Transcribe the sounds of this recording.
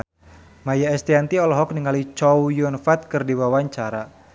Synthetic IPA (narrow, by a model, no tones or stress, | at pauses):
majaɛst̪iant̪iɔlɔɦɔk̚niŋalit͡ʃɔwjunfat̪̚kɨrdiwawaɲt͡ʃaɾa